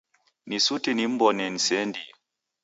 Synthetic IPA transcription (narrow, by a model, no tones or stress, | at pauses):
nisutinim̩bɔnɛnisɛndi